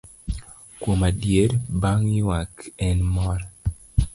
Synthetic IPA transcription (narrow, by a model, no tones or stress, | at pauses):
kwomadjeɾbaŋɪwakɛnmɔɾa